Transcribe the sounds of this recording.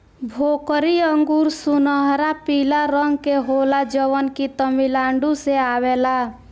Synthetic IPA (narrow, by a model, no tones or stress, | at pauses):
bʱoːkɾiəŋɡuɾsunəɦɾapilaɾəŋɡkeɦolad͡ʒəʋənkit̪əmilaːɳɖuseaweːla